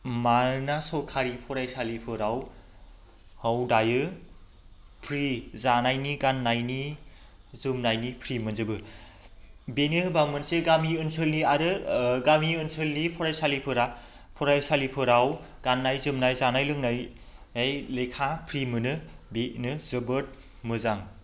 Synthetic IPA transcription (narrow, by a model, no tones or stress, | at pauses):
manasɔkʰaɾipʰɔɾajsalipʰɯɾaw | hawdajɯ | pʰɾizanajniɡanːajni | zɯmnajnipʰɾimɯnzɯbɯ | benɯbamɯnseɡamiɯnsɯlniaɾɯɡamiɯnsʰɯlnipʰɔɾajsalipʰɯɾa | pʰɔɾajsalipʰɯɾaw | ɡ̥anːajzɯmnajzanajlɯŋnaj | ejlejkʰapʰɾimɯnɯbeʔnɯzɯbɯt̚ | mɯzaŋ